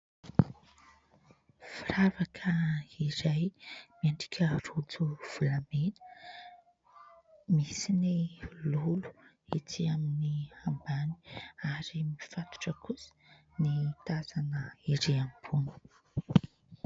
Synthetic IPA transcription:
firavakʰəiɾajmiaɳɖ͡ʐi̥kʲʰərut͡suv̥ulamenə̥ | misinilulu̥ | it͡siaminiambani̥aɾimifat̪u̥ʈ͡ʂəkʰusə̥ | nit̪azanəiɾeambunu̥

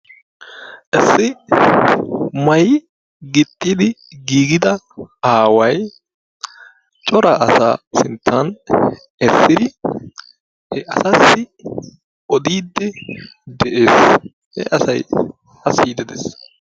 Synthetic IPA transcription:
ʔɛsːɪ | mɐj | ɡɪt̪ʼːid̪ɪɡiːɡɪd̪ɐ | aːwɐj | t͡ʃʼɔɾɐʔɐsa̰ːsɪnt̪ʰːɐn | ɛsːɪd̪ɪ | hɛʔɐsɐsːɪ | ʔɔd̪iːd̪ːɛ | d̪ɛʔeːs | hɛ̰ʔɐsɐj | ɐsiːd̪ɛd̪ḛs

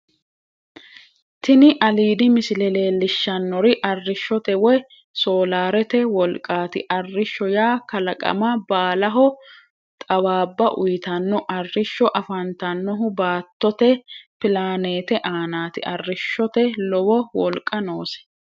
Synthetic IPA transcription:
t̪ɪnɪʔɐliːd̪ɪmɪsɪlɛle̞ːlːɪʃːɐnːɔɾɪʔɐrːɪʃːɔt̪ɛwɔj | soːlaːɾɛt̪ɛwɔlkʼːaːt̪ɪʔɐrːɪʃːɔjaːkɐlɐkʼɐ̰mɐbaːlɐɦɔ | t̪ʼɐwaːbːɐʔʊjɪt̪ɐnːɔʔɐrːɪʃːɔʔɐfɐnt̪ɐnːɔɦʊbaːt̪ːɔt̪ɛpɪlaːneːt̪ɛʔaːnaːt̪ɪʔɐrːɪʃːɔt̪ɛlɔwɔwɔlkʼːɐnoːsɛ̥

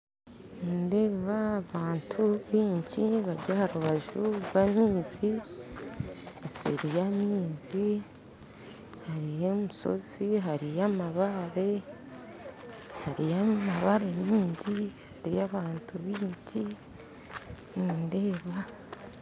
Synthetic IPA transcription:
ninde̞ːβaːβaːntʰuβiːɲɟiβaɟahaɾuβaʒuwamiːzi | asḛɾijamiːzi | haɾijemuso̞̰z̥iɦaɾijamaβaɾe̞ | haɾijamaβaɾe̞miːɲɟihaɾijaβaːntuβiːɲɟi | ninde̞ːβa

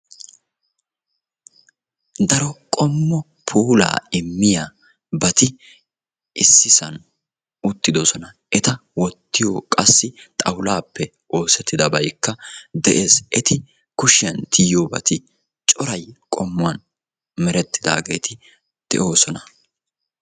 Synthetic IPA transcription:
d̪ɐɾɔkʼɔmːɔ | pʰuːla̰ːɪmːɪjaː | bɐt̪ɪ | ʔɪsːɪsɐn | ʊt̪ːɪd̪osɔnɐ | ʔɛt̪ɐwɔt̪ːɪjo̰ːkʼɐsːɪt̪ʼɐwlaːpːɛ | ʔo̞ːsɛt̪ːɪd̪ɐbɐjkːɐd̪ɛʔe̞ːsʔɛt̪ɪ | kʊʃɪjɐnt̪ʰɪjjoːbɐ̰t̪ɪ | t͡ʃʼɔɾɐjkʼɔmːʊɐn | mɛɾɛt̪ːɪd̪a̰ːɡe̞ːt̪ʰɪ | d̪̥ɛ̰ʔo̞ːsɔnɐ

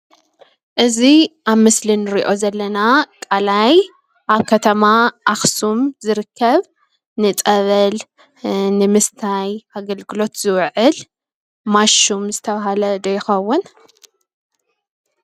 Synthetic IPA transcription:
ʔɨziʔaβmɨslinɨɾiʔo̞zɐlːɐnakʼalaj | ʔaβkʰɐt̪ʰɐmaʔaxsumzɨɾɨkʰːɐβ | nɨt̪ʼɐβɐl | nɨmɨst̪ʰajʔaɡɐlɡɨlo̞t̪z̥ɨwʕɨl | maʃumzɨt̪ʰɐβaɦalɐd̪ɐjɪxɐwːʊn

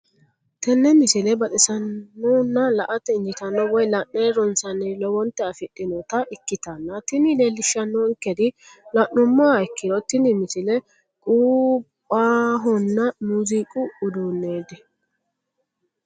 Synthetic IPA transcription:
t̪ɛnːɛmɪsɪlɛbɐt̪ʼɪsɐnːɔnːɐlɐʔɐt̪ɛɪnd͡ʒɪt̪ɐnːɔwɔjlɐʔneɾɔnsɐnɪlɔwɔnt̪ːɛɐfɪɗːɪnɔt̪ɐʔɪkːɪt̪ɐnːɐt̪ɪnɪleːlːɪʃːɐnːɔŋkːɛd̪ɪ | lɐʔnʊmːaɛkːɪd̪ɔt̪ɪnɪmɪsɪlɛ | kʼuːpʼːaːɦɔnːɐmuːzikʼʊʊd̪unːeːd̪ɛ

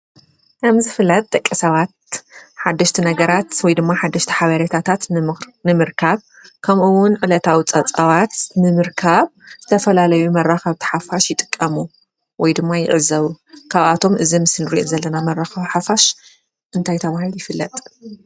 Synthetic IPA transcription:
kʰɐmzɨfɨlːɐt̪̚ʼt̪ʼːɐkʼːɐsɐβat̪̚ħad̪ːɐʃt̪ʰinɐɡɐɾat̪wɔjd̪ɨmːaħad̪ːɐʃt̪ʰi̥ħaβɐɾet̪ʰat̪ʰat̪nɨmɨɾkʰaβ | kʰɐmʔɨwʊnʕɨlɐt̪ʰawit͡sʼɐt͡sʼɐβat̪nɨmɨɾkʰaβz̥ɨt̪ʰɐfɐlalɐjumɐrːaxɐβt̪ʰi̥ħafaʃjɪt̪ʼɨ̥kʼːɐmu | wɔjd̪ɨmːajɪ̰ʔɨzɐβukʰaβʔat̪ʰo̞mʔɨzimɨsɨnɨɾiʔozɐlːɐnamɐrːaxɐβħafaʃ | ʔɨnt̪ʰajt̪ʰɐβahilujɪfɨlːɐt̪ʼ

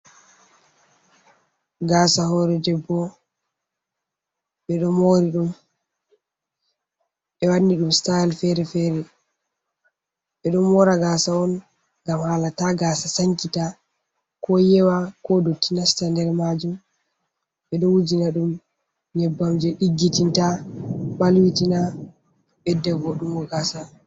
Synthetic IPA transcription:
ɡaːsaɦɔːɾɛdɛbːɔ | ɓɛɗɔmoɾiɗum | ɓɛwanːiɗumstajɛlfɛɾɛfɛɾɛ | ɓɛɗɔmɔɾaɡasaɔn | ɡamhaːlataɡasasaŋkita | kɔjɛwakɔdotːinastandɛɾmad͡ʒum | ɓɛɗɔwud͡ʒinaɗum | ɲɛbːamd͡ʒɛɗiɡːitintaɓalwitina | ɓɛdɛvɔɗumɡɔɡaːsa

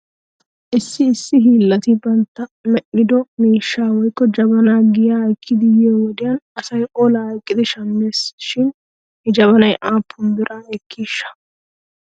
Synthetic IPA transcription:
ʔɪsːɪːsːɪɦiːlːɐt̪ɪbɐnt̪ːɐmɛʔːɪd̪ɔmiːʃːaːwɔjkːɔd͡ʒɐbɐnaːɡɪjaːhɐjkʰːɪd̪ɪjeːwɔd̪ɪjɐnɐsɐjʔoːlɐhɐjkʼːɪd̪ɪʃɐmːeːsʃɪn | hɛd͡ʒɐβɐnɐjʔaːpʰːʊnb̪ɪɾʔaːɛkʰːiːʃːɐ̥

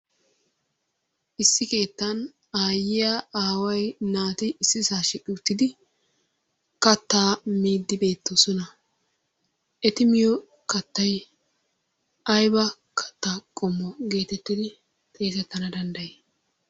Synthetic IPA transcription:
ʔɪsːɪke̞ːt̪ːɐn | aːjɪjaaːwɐjnaːt̪ɪɪsːɪsaːʃɪkʼːɪʊt̪ːɪd̪ɪ | kɐt̪ːaːmiːd̪ːɪbe̞ːt̪ʰːosɔnɐ | ɛt̪ɪmɪjɔ | kɐt̪ːɐj | ʔɐjbɐ | kʰɐ̥t̪ːaːkʼɔmːɔɡe̞ːt̪ɛt̪ːɪd̪ɪ | t̪ʼe̞ːt̪ɛt̪ːɐnɐd̪ɐnd̪ɐjeː

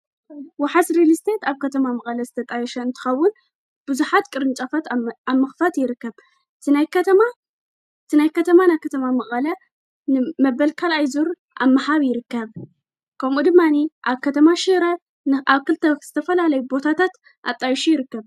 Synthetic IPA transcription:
waħasɾilist̪ʰet̪aβkʰɐt̪ʰɐmamɐχʼɐlɐzɨt̪ʰɐt̪ʼajɛʃɐɨnt̪ʰɨ̥xɐwːʊn | b̥ɨzuħat̪kʼɨɾɨnt͡ʃʼɐfat̪amːɐxfat̪jɪɾɨkːɐβ | ʔɨt̪ʰɨnajkɐt̪ʰɐma | ɨt̪ʰɨnajkʰɐt̪ʰɐmanajkʰɐt̪ʰɐmamɐχʼɐlɐ | nɨmɐbɐlkʰalajzuɾ | ʔamːaħaβjɪɾɨkːɐβ | kʰɐmʔud̪ɨmːaniʔaβkʰɐt̪ʰɐmaʃiɾɐ | aβkɨlt̪ʰɐz̥ɨt̪ʰɐfɐlalɐjubo̞t̪ʰat̪ʰat̪ | ʔa̰t̪ʼajʃujɪɾɨkːɐβ

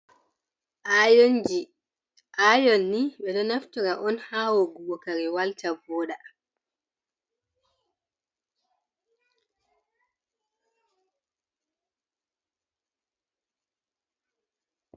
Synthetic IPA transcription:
ʔajnd͡ʒi | ʔajɔnːiɓɛɗɔnaftɔɾaʔɔnhaːwoɡubɔkaɾiwaltabɔːɗa

